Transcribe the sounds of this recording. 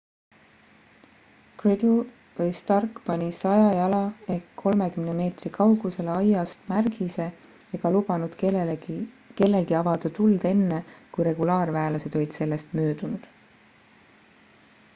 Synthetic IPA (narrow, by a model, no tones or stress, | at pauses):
krid̪l | vɤjst̪ɑrkːˑpɑnʲisɑjɑjɑlɑe̞kkʰo̞lme̞kymneme̞ːt̪rikʰɑwɡ̥use̞leɑjɑst̪mærɡ̥ise̞ | eɡ̥ɑlub̥ɑnud̪̥ | ke̞lːe̞lɡiɑvɑd̪̥ɑt̪uld̪̥e̞nːekujɾe̞ɡ̥ulɑːrvæːlɑse̞d̪o̞lid̪̥se̞lːe̞st̪mø̞ːd̪unud̪̥